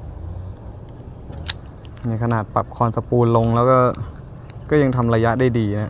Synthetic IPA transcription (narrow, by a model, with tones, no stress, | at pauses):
miː˧kʰa˧naː˨˩t̪̚pa˨˩p̚kʰɔː˧nsa˧puː˧nlo˧ŋlɛː˦˥wkɔː˥˩ | kɔː˥˩ja˧ŋt̪ʰa˧mɾaː˧ja˦˥ʔda˥˩jdiː˧na˦˥ʔ